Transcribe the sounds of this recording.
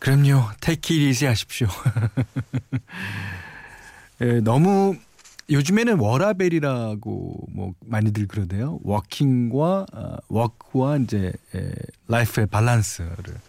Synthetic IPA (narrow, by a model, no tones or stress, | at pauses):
kɯɾʌmɲotʰekʰiɾid͡ʑʰiɦaɕʰi̥p̚ɕo | enʌmu | jod͡ʑɯme̞nɯnwʌɾabe̞ɾiɾaɡo̰mwʌ̰maɲidɯɭkɯɾʌde̞jowʌkʰiŋɡwa̰wʌkʰɯwaind͡ʑe̞ḛlaipʰepaɭːansʰɯɾɯ̰ɭ